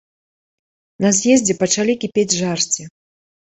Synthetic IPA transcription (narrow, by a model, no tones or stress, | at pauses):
nɐzʲjɛzʲd͡zʲɛpɐt͡ʂalʲikʲipʲed͡zʲʐarsʲt͡sʲi